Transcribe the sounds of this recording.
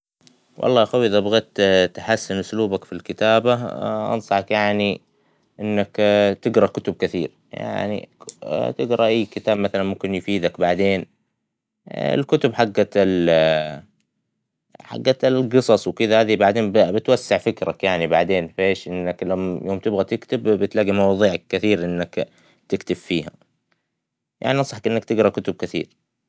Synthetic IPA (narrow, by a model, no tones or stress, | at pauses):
wʔɑ̰lˤːɑːʔxawːiʔɪðabaɣeːt̪t̪aħasːɪnʔʊsluːbakfilkɪt̪aːbaʔɑ̰nsˤɑħɑkjaʕni | ʔɪnːakt̪ɪɡɾˤɑkʊt̪ʊb̚kɪθiːɾ | ja̰ʕnḭt̪ɪɡɾɑʔaːkɪt̪aːbmaθalanmʊmkɪnjʊfiːd̪akbaʕd̪eːn | ɪ̰lkʊt̪ʊbħaɡːal | ħa̰ɡːalɡɨsˤɑsˤwkɪðahaːðibaʕd̪eːnbbɪt̪wasːɪʕfɪkɾakjaʕnibaʕd̪eːnfeːʃʔɪnːaklajoːmt̪ɪbɣat̪ɪkt̪ɪbbɪt̪laːɡimɑwɑːðˤiːʕakːɪθiːɾʔɪnːak | t̪ɪkt̪ɪbfiːha̰ | ja̰ʕniʔɑsˤɑħakʔɪnːakt̪ɪɡɾˤɑkʊt̪ʊb̚kɪθiːɾ